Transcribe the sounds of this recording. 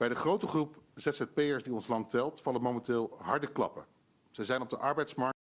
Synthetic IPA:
b̥ɛjdəχrowtəχrupz̥ɛtsɛt̚pejəɹsdiɔnslɑntɛlˠtfɑləmowmɛntɪːlˠɦɑɹdəklɑ̰pə | z̥ɛjzɛjnɔbdəʔɑɹbɛjtsmɑɹ

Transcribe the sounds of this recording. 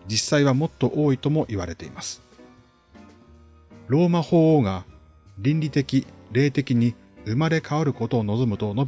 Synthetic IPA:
d͡ʑisːaiβ̞amo̞t̪ːo̞ʔo̞ːit̪o̞mo̞ʔiβaɾe̞t̪e̞̰ḭmasɨ̥ | ɾo̞ːmaho̞ːoːɡa | ɾʲĩnʲɾʲit̪e̞kʲiɾe̞ːt̪e̞kʲiɲ̟i | ɯ̟maɾe̞kaoɾɯ̟ko̞t̪o̞ːno̞zo̞mɯ̟t̪o̞no̞b

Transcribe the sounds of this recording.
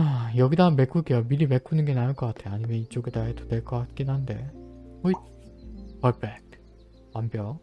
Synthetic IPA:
ajʌɡidanme̞k͈ʰukejʌmiɾime̞kʰunɯnɡe̞nanɯɭk͈ʌk͈atʰejaɲimjʌnit͡ɕ͈oɡedaɦedo̥de̞ɭk͈ʌk͈at̚k͈inɦande̞̰oi | pʌɭpek̚ʰ | wambjʌ

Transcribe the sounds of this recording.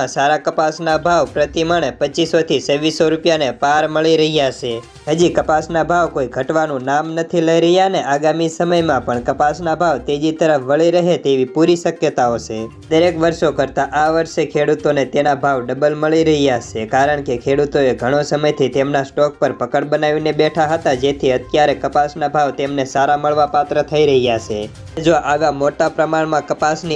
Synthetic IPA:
ãsaɾakəpasnabʱaʋpɾət̪iməɭepət͡ʃisot̪ʰisəʋisoɾupjanepaɾməɭiɾəɦijaʃʰe | ɦəd͡ʒikəpasnabʱaʋkoiɡʱəʈʋanũnamnət̪ʰiləiɾəɦjaneʔaɡamisəməjmãpəɳkəpasnabʱaʋt̪ed͡ʒit̪əɾəfʋəɭiɾəɦet̪eʋipuɾiʃəkjət̪aot͡ʃʰe | d̪əɾekʋəɾʃokəɾt̪aʔaʋəɾʃekʰeɽut̪onet̪enabʱaʋɖəbəlməɭiɾəɦijat͡ʃʰekaɾəɳkekʰeɽut̪oeɡʱəɽ̃osəməjt̪ʰit̪emnasʈɔk̚pəɾpəkəɽbənaʋinebɛʈʰaɦət̪ad͡ʒet̪ʰiət̪jaɾekəpasnabʱaʋt̪emnesaɾaməɭʋapat̪ɾət̪ʰəiɾəɦijat͡ʃʰe | d͡ʒoʔaʋamoʈapɾəmaɳmãkəpasni

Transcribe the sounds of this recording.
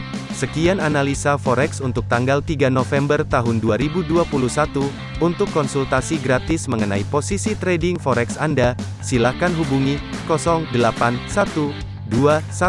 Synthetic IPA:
səkiananalisafɔɾɛksunt̪ʊk̚t̪aŋɡalt̪iɡanofɛmbərt̪aɦʊnduaɾibuduapuluhsat̪u | unt̪ʊkːɔnsult̪asiɡɾat̪ɪsməŋənaiposisit̪ɾɛdiŋfɔɾɛksanda | silakanɦubuŋikɔsɔŋdəlapansat̪u | duasa

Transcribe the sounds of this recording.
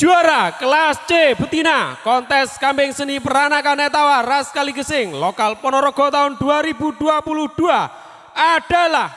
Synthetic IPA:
ʒ̥uaɾakəlast͡ʃebət̪inakɔnt̪ɛskampɪŋsənipəɾanakanɛt̪awaraskaliɡəsɪŋlɔkalpɔnɔɾɔɡ̥ɔ̤t̪aʊnd̪̥uaɾibud̪̥uapuluhd̪̥ua | aɖ̥a̤lah

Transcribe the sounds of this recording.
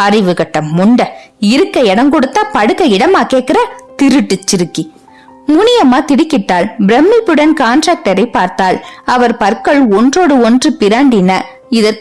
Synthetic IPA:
ɐrɪʋɯɣɐʈːɐmːʊɳɖɐ | ɪɾɯkːɐɛɽɐŋkɔɽɯt̪ːaːpɐɽɯkːɐɪɽɐmaːkeːʈ̚kɪɾɐt̪ɪɾɯʈːɯt͡ʃːɪɾɯkːi | mʊnɪjɐmaːt̪ɪɽɪkːɪʈːaːlbɾɛmːipɯɽɐnkaːnʈɾaːk̚ʈɐɾɐɪpːaːɾt̪aːlɐʋɐɾpɐɾkɐɭɔndroːɽɯɔndrɯpɪɾaːɳɖɪnɐ | ɪðɐɾ

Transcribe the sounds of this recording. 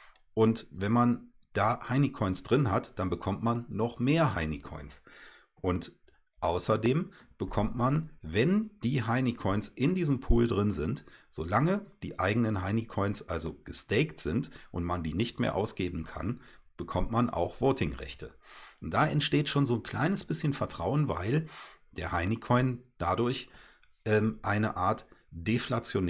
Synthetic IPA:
ʔʊntvɛnman | d̥aːhaɪnikʰɔʏnsd̥ʁɪnhatd̥anbəkʰɔmtmanːɔχmeːɐɦaɪnikʰɔ̰ʏns | ʔʊnt | ʔaʊsɐdeːm | b̥əkʰɔmtmanvɛnd̥iːɦaɪnikʰɔʏnsʔɪndiːzəmpʰuːldʁɪnzɪntz̥oːlaŋəd̥iːʔaɪɡənənɦaɪnikʰɔʏnsʔalzoɡ̥əstɛɪktz̥ɪntʔʊntmandiːnɪçtmḛːɐʔa̰ʊsɡ̥eːbm̩kʰa̰n | b̥əkʰɔmtmanʔa̰ʊxv̥oːtɪŋʁɛ̰çtʰəʔʊnt̚d̥aːʔɛntʃteːtʃoːnzoːnkʰl̥a̰ɪnəsb̥ɪsçənfɛɐtʁ̥aʊənva̰ɪld̥eːɐhaɪnikʰɔʏnd̥adʊɐç | ʔɛːmʔaɪnə̰ʔaːɐtd̥eflat͡sjon

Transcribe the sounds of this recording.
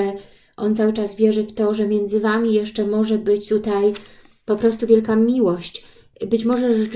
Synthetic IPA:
ɛ | ʔɔnt̪sawɘt͡ʂasvʲjɛʐɛft̪ɔʐɛmʲjɛnd̪zɘvamʲijɛʂt͡ʂɛmɔʐɛbɘt͡ɕt̪ut̪aj | pɔpɾɔst̪uvʲjɛlkamʲiwɔɕt͡ɕ | bɘt͡ɕmɔʐɛʐɛ

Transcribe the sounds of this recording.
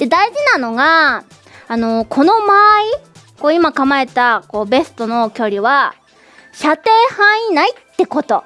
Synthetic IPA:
d̪̥e̞d̪aiʑinano̞ɡaː | no̞kʰo̞no̞maːi | ko̞ːimakamae̞t̪ako̞ːbe̞sɨ̥t̪o̞no̞kʲo̞ɾʲiβa | ɕat̪e̞ːhãɰ̃inait̪ːe̞ko̞t̪o̞

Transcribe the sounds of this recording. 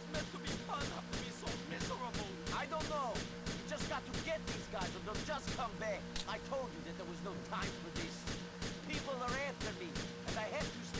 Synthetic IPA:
mɛ̃ntʰəbifʌ̃næftɨbisoʊmɪzə˞əbl̩ˠaɪdõʊ̃nːoʊ | jɨd͡ʒʌsɡ̥ɑtʰɨɡɛt̪̚ðizɡaɪzə̃nðod͡ʒʌskʰʌ̃mbækaɪtʰoʊlˠd͡ʒɨðɨt̪̚ðə˞wʌznoʊtʰãɪ̃ɱfə˞ðɪs | pʰipl̩ˠə˞æftə˞mi | ɨ̃naɪɦæftɨs

